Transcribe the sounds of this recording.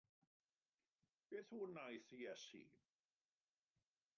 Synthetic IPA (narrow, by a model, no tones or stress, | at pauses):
b̥eːθhuːnajθijɛsḭ